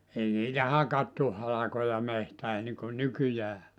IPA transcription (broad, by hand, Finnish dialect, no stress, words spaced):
ei niːtæ hɑkɑtːuh hɑlɑkojɑ mehtæː niŋkun nykyjæː